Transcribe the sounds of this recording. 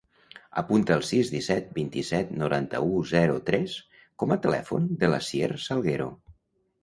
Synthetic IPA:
ə̰punt̪əːlˠsizd̪isɛt̪̚bint̪isɛt̪nuɾant̪ə̰uzɛɾut̪ɾɛs | kɔmət̪əlɛ̰fṵnd̪ələsiersəlˠɣeɾo̰

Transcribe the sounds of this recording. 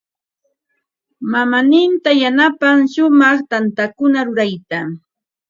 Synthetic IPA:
mamanɪnt̪ajanapaŋʃʊmɑχt̪ant̪akʊnaɾʊɾajt̪a

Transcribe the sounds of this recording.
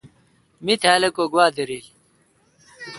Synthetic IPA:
mit̪ʰaːlɐkoːɡwaːd̪ɐɾiːl

